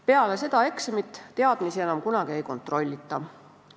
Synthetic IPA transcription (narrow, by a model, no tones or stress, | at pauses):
pe̞ɑle̞se̞d̪ɑe̞ksemit̪ːt̪eɑd̪̥misie̞nɑmkunɑɡ̥ie̞jko̞nt̪ˑro̞lʲːit̪ˑːɑ